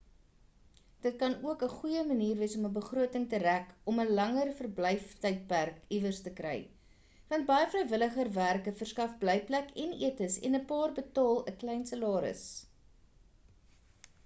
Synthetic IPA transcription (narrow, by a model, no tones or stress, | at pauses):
d̥ət̚kɐnuəkəχujəməniːrviəsɔməbəχruətəŋtəɾækɔməlɐŋərfərbləjftəjt̚pærkivərstəkrɛ̰j | vɐnt̚bɐjəfrəjvələχərværkəfərskɐfbləjplækɛnḭətəsɛ̰nəpɑːrbətɑːlˠəklɛjnsəlɑːɾə̰s